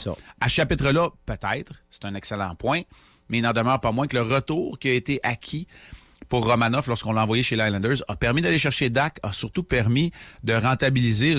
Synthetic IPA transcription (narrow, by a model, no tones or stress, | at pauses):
asə̥ʃapɪt̪ʁəlʌpøt̪ɛɪt̪χse̥t̪ɛ̃nɛkselɑ̰̃pwɛ̃ | mɛilnɑ̃d̪əmœːʁpamwɛ̃kələʁət̪uːʁkʲiaet̪eʔakʲʰipuʁːɔmanɔflɔʁskɔ̃lɑ̃vwajeʃelajlɑ̃nd̪ə˞zɐpɛʁmid̪aleʃɛʁʃed̪akɐsyʁt̪upɛʁmid̪əʁɑ̃t̪abilize